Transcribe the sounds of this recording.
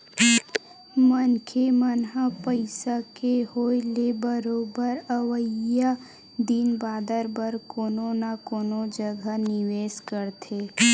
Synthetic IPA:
mənkʰemənɦapəɪsakeɦoːjlebəɾoːbəɾəʋəa | d̪inbaːd̪əɾbəɾkoːnonakoːnod͡ʒəɡʱanɪʋeːskəɾt̪ʰeː

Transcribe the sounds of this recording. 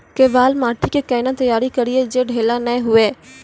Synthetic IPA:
keʋaːlmaːʈʰikekɐːɪnat̪ɐjaːɾikɐɾied͡ʒeɖʱeːlanɐẽɦʊeː

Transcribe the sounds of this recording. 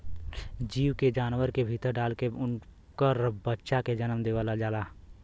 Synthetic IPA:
d͡ʒiːwked͡ʒaːnwəɾkebʱit̪əɾɖaːlke | kəɾbətːʃaked͡ʒənəmd̪eːʋəlad͡ʒaːlaː

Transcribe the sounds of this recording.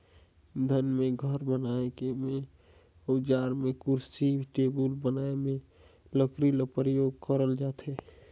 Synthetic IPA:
d̪ʱənmẽɡʱəɾbənaekeme | əʊd͡ʒaɾmekuɾsibʈebulbənaemẽ | ləkɾiləpɾəjoɡkəɾəld͡ʒat̪ʰe

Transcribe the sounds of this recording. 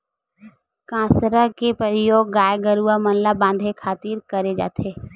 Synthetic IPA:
kãːsɾakepəɾɪjoːɡːaːjɡəɾuamənlabãːnd̪ʱekʰaːt̪iːɾkəɾed͡ʒa̰ːt̪ʰeː

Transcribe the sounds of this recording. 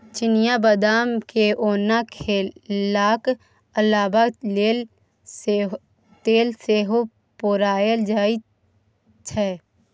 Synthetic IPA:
t͡ʃɪnɪjabəd̪aːmkeʔoːnakʰelːaːk | əlːaːbae | t̪eːlseːɦo | poːɾaːjəld͡ʒaːi | t͡ʃʰɛː

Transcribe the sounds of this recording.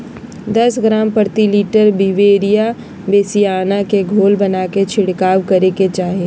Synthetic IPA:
d̪ɐsɡɾaːmpəɾt̪iliːʈəɾbiʋeːɾija | beːsijaːnakeɡʱoːlbɐnaːket͡ʃʰɪɽkaːʋkɐɾeket͡ʃaːɦieː

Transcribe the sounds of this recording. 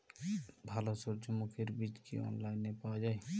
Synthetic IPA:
bʱaːlosoɾd͡ʒəmokʰeɾbiːt͡ʃkʰḭːo̰ːnlaːɪnːeːpaːd͡ʒaːiː

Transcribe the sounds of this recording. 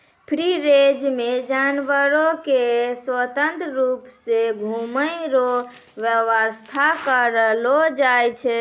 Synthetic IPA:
pʰɾiɾed͡ʒmed͡ʒanʋəɾokeswət̪ənt̪ɾɾupseɡʱuməjɾo | ʋjəʋəst̪ʰakəɾəlod͡ʒajt͡ʃʰɛ

